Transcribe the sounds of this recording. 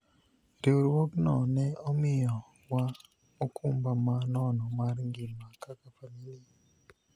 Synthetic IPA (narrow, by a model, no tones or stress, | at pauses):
doɾwoknɔnɛɔmɪjɔ | wa | okʰumbamanɔnɔmaɾŋɡinmakakafamili